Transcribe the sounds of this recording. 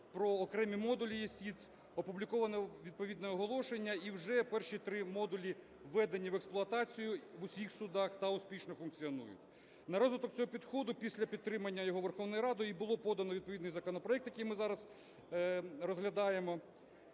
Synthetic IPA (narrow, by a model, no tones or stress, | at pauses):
pɾɔːkɾɛmʲimɔd̪ʊlʲijɛsʲisʲ | ɔpublʲikɔʋɐnɛʋʲid̪̚pɔʋʲid̪nɛɔɦɔlˠɔʃenʲːɐiwʒɛpɛrʃit̪ɾɪmɔd̪ʊlʲi | ʋɛd̪enʲiʋeksplˠʊɐt̪ɑt͡sʲijʊʋʊsʲixsʊd̪ɑxt̪ɐʊsʲpʲiʃnɔfʊnk̚t͡sʲiɔnṵjʊ̰tʲ | nɐɾɔzʋɪt̪ɔk̚t͡sʲɔɦɔpʲid̪xɔd̪ʊpʲisʲlʲɐpʲid̪ɾɪmɐnʲːɐjɔɦɔʋerxɔwnɔjɾɑd̪ɔjibʊlˠɔpɔd̪ɐnɔʋʲid̪̚pɔʋʲid̪nɪjzɐkɔnɔpɾɔɛk̚t̪jɐkejmɪzɑɾɐz | rɔzɦlʲɐd̪ɑjemɔ